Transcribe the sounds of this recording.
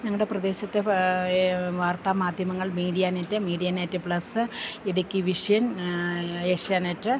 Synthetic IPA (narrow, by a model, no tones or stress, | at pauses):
ɲɐŋːɽe̞prɐd̪e̞ːɕɐt̪ːe | ʋaːrt̪aːmaːd̪ʱjɐmɐŋːɐɭmiːɽijaːnɐtːɨmiːɽijaːnaːtːɨpɭɐsɨiɽɐkʲːiʋiʂɐjɐn | eːʂɐjaːnetːɨ